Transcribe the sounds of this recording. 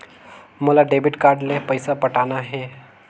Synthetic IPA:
molaɖebɪʈkaːɾɖlepəɪsapəʈaːnaɦɛ

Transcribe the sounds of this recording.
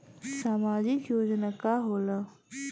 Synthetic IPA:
saːmaːd͡ʑikjoːd͡ʑnakaɦoːla

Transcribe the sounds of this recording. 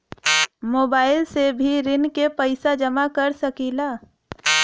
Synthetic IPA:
moːbaːɪlsebʱiɾɪnkepəɪsad͡ʒəmakəɾsəkilaː

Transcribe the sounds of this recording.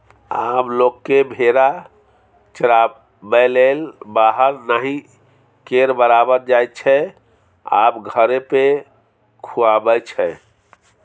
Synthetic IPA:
ablokːebʱeɾa | t͡ʃəɾa | bɛlelbaɦəɾnaɦĩ | keɾbəɾabəɾd͡ʒajt̚t͡ʃʰɛ | a̰bɡʱəɾepe | kʰuabət͡ʃʰɛ

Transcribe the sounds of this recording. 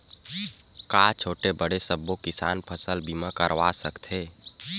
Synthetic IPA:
kat͡ʃʰoːʈebəɽesəbːokɪsa̰ːnpʰəsəlbimakəɾʋasəkt̪ʰeː

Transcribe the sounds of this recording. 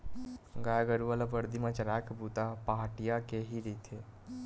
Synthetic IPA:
ɡaːjɡəɾuʋalapəɾd̪imãt͡ʃəɾaːkbuːt̪apaːɦʈijakeɦiɾit̪ʰe

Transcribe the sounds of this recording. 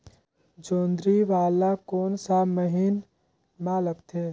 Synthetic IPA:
d͡ʒoːnd̪ɾiʋaːlakoːnsaːməɦin | maːləp̚t̪ʰeː

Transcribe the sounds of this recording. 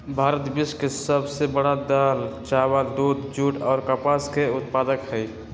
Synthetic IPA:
bʱaːɾət̪biskesəbsebəɽad̪alt͡ʃawəld̪uːd̪d͡ʒuːʈɔːɾkəpaskeʊt̪paːd̪əkhəi

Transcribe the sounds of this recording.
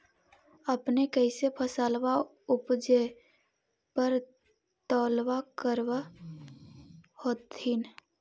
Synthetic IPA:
əpnekəɪsepʰəsaːlwa | ʊpd͡ʒe | pəɾ | t̪ɔːlwakəɾwa | hoːt̪hɪn

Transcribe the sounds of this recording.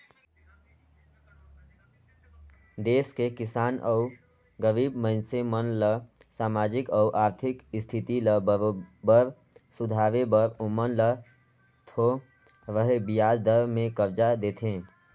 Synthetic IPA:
d̪eːskekɪsaːnʔɔu | ɡəɾiːbməɪnsemənlə | saːmaːd͡ʒɪkɔuʔaːɾt̪ʰɪkɪst̪ʰɪt̪iləbəɾ | sʊd̪ʱaːʋebəɾumənlə | t̪ʰo | ʋəɦebijaːd͡ʒd̪əɾmẽkəbd͡ʒad̪eːt̪ʰẽː

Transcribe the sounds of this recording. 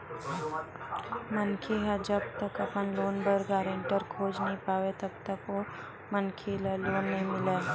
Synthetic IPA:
mənkʰeɦad͡ʒɐb̚t̪ɐkɐpənloːnbəɾɡaːɾẽɳʈəɾkʰoːd͡ʒnəɦĩpaːʋet̪ɐbt̪əko | mənkʰelloːnːəɦĩmɪleː

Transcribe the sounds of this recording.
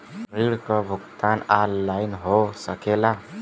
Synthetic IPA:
ɾiɽkɔbʱʊɡt̪analːainɦosəkela

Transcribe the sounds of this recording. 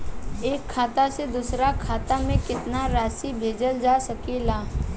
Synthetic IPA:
eːkʰːaːt̪ased̪ʊsɾakʰaːt̪amẽkɪt̪naɾaːsibʱeːd͡ʒəld͡ʒaːsɐkelaː

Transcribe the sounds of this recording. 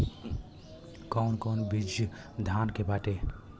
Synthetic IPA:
kɔnkɔwnbid͡ʒjə | d̪ʱankebaʈe

